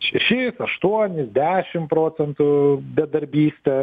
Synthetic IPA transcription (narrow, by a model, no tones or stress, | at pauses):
ʃʲɛʃʲɪsɐʃt̪uɔnʲɪsd̪ʲæːʃʲɪmpɾoːt͡s̪ʲɛnt̪ʊbʲɛd̪ɐɾʲbʲiːsʲt̪ʲɛ